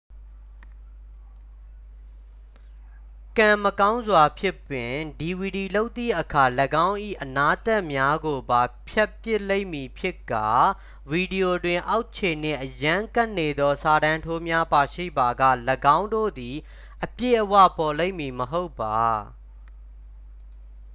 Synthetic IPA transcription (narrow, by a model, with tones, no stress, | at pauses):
kã˨məkã˦ʊ̃nzwa˨pʰjɪ˦pwɪ̃˨di˨wi˨di˨lo˦ʊt̪ːi˦˨ʔəkʰa˨ləɡã˦ʊ̃ʔḭ˦˨ʔəna˦t̪ɛ˦ʔmja˦ɡo˨ba˨pʰja˦pjɪ˦ʔle˦ɪ̃˨mi˨pʰjɪ˦kːa˨ | vi˨di˨jo˨dwɪ̃˨ʔa˦ʊʔt͡ɕʰe˨n̥ɪ̰̃˦˨ʔəjã˦ka˦ʔne˨d̪ɔ˦sa˨ɾã˨ntʰo˦mja˦pa˨ʃḭ˦˨ba˨ɡä̰˦˨ləɡã˦ʊ̃ndo̰˦˨d̪i˨ | ʔəpjḛ˦˨ʔəwa̰˦˨pɔ˨lẽ˦ɪ̃˨mːi˨məɦo˦ʊpːa˨